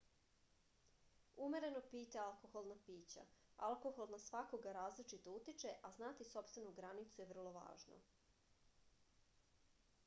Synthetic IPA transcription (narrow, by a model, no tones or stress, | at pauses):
umeɾe̞no̞piːt̪ealˠko̞xolˠnapiːt͡ɕa̰alˠko̞xo̞lˠnasʋako̞ɡaɾaːzlit͡ʃit̪out̪it͡ʃe̞ʔaznaːt̪iso̞pst̪ʋe̞nuɡɾanit̪suje̞vr̩lˠo̞ʋa̰ːʒno̰